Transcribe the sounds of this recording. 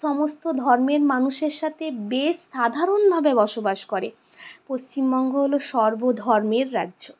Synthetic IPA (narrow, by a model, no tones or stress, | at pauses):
ɔmost̪od̪ʱɔɾmeɾmanuʃeɾʃat̪ʰebeʃʃad̪ʱaɾonbʱabebɔʃobaʃkɔɾe | post͡ɕimbɔŋɡʱoɦoloʃɔɾbod̪ʱɔɾmeɾːa̰dːʑo